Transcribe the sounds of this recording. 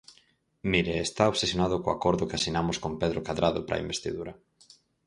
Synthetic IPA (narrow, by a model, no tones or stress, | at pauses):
miɾeːst̪aoβsesjonað̞ʊkoakoɾðʊkɪasinamoskompeðɾokaðɾaðopɾʔa̰imbest̪iðuɾɐ